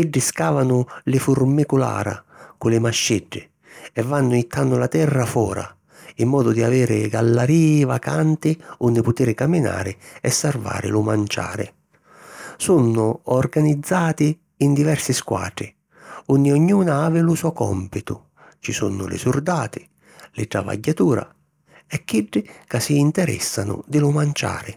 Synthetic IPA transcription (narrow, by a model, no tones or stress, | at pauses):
iɖːɪskaːvanʊlɪfʊrmikʊla̰ːɾa̰kʊlɪmaʃːiɖːɪ | ɛvːanːʊit̪ʰːanːʊlat̪ɛrːafɔːɾa̰ | imːɔːd̪ʊd̪iaviːɾɪɡalːaɾiːvakant̪ɪʊnːɪpʊt̪iːɾɪkamːina̰ːɾɪɛsːarva̰ːɾɪ̰lʊmant͡ʃa̰ːɾɪ̰ | sunːʊɔrɡanid̪zːaːt̪ɪː | nd̪ivɛrsɪskwa̰ːʈ̪ɾɪ | unːɪɔɲːuːnaaːvɪlʊsɔkɔ̰mpit̪ʊ | t͡ʃisunːʊ̰lɪ̰surd̪aːt̪ɪ | lɪʈ̪ɾava̰ɟːat̪uːɾa̰ | ɛkːiɖːɪkasiːnt̪ɛɾɛ̰sːanʊ̰d̪ɪlʊmant͡ʃa̰ːɾɪ